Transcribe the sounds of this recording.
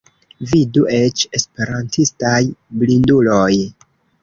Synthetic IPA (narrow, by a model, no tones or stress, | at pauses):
viduʔe̞t͡ʃe̞spe̞ɾantʰistajblindulo̞j